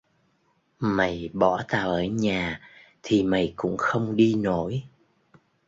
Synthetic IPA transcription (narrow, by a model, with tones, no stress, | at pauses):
ma˨˩jɓɔ˧˩˦t̪aː˧˩wʔəː˧˦ɲaː˨˩t̪ʰi˨˩ma˨˩jkʊ̰˧˥ŋ͡mxə˧wŋ͡mɗi˧no˧˥˦j